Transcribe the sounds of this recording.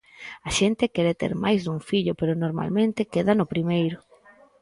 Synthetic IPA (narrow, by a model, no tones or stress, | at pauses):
aʃent̪ɪkɛɾet̪ḛɾmajzðuŋfiʎʊpeɾʊnoɾma̰lmẽnt̪ɪkeðanʊpɾimejɾʊ